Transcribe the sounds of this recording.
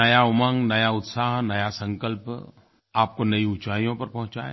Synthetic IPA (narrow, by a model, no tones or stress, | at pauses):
ɐjaʊmə̃ŋnɐjaʊt̪saːɦnɐjasɐ̃ŋkəlp | aːp̚konɐiʊt͡ʃaːijõpɐɾpɐɦʊ̃t͡ʃa̰ːe